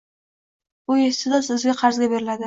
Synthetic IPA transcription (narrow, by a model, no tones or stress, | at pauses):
bʊest̪ɪd̪asɪzɡʲaqʰɑɾzɡʲabe̞ɾɪlad̪ɪ